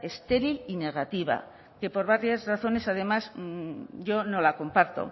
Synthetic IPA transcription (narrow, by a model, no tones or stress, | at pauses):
e̞st̪e̞ɾiline̞ɣ̞at̪iβa̰ | ke̞po̞ɾβaɾjazraθo̞ne̞sað̞e̞maz | ʝo̞no̞lako̞mpaɾt̪o̞̰